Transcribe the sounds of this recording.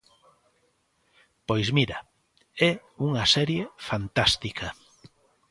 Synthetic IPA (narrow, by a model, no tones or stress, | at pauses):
pojzmiɾɐ | ɛuŋɐsɛɾjefant̪ast̪ikʰɐ